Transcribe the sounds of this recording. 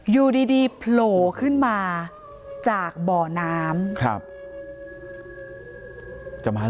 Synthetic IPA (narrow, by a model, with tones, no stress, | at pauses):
juː˨˩diː˧diː˧pʰloː˨˩˦kʰɯ˥˩nmaː˧ | t͡ɕaː˨˩k̚bɔː˨˩naː˦˥mkʰɾa̰˦˥˩p̚ | t͡ɕa˨maː˧